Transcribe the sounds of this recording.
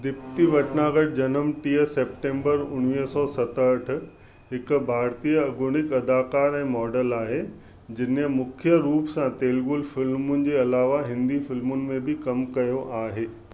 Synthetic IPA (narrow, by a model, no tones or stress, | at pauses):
d̪ɪp̚t̪iʋɐʈnaːɡəʈ̚d͡ʑɐnəmʈiːəseːp̚ʈẽːmbəɾʊnʋiːɦsɔːsɐt̪əəʈʰʊ̆ | ɦɪkʊ̆bʱaːɾt̪iːəɐɡʊñɪkɐd̪aːkaːɾɛ̃ːmɔːɖəlaːɦe | d͡ʑɪnəmʊkʰjəɾuːpsãt̪eːlɡʊlfɪlmʊnɪ̆d͡ʑeːɐlaːʋaɦɪ̃nd̪ifɪlmʊnɪ̆mẽbɪkɐmkɐjoʔaːɦeː